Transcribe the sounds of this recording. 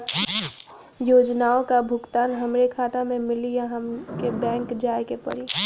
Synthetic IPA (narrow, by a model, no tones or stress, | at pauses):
joːd͡ʒnaːokabʱʊɡt̪aːnɦəmɾekʰaːt̪amẽmɪlijaɦəmkebɛ̃ːŋkd͡ʒaːekepə̰ɾi